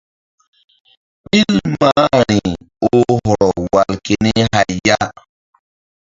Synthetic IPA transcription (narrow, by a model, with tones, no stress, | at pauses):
ɓi˦lma˦ɾi˨ | o˦ɦɔ˨ɾɔ˨wa˨lke˨ni˦ha˨jja˦